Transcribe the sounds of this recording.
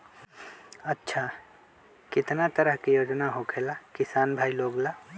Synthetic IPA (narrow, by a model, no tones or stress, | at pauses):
ətːʃʰa | kɪt̪nat̪əɾəɦkijoːd͡ʒnaɦokʰelakisaːnbʱailoɡla